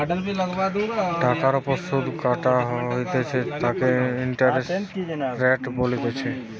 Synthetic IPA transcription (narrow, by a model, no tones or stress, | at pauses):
ilaɡbad̪ɖʱakaɾɔposud̪kaʈaɦɦojt̪et͡ʃʰet̪akeiɳʈaɾesɾɛʈbolit̪et͡ɕʰe